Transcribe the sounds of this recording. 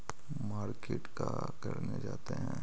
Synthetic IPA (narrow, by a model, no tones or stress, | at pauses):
maːɾkeːʈka | kɐɾned͡ʒaːt̪eɦɛ̃ː